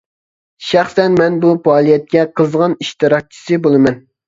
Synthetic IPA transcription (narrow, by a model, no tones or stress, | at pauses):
ʃæχsɛnmɛnbupɑːlˠijɛt̪̚kʲɛqʰəzʁɑniʃt̪ɨɾɑk̚t͡ʃʰi̥sɨbolˠɨmɛn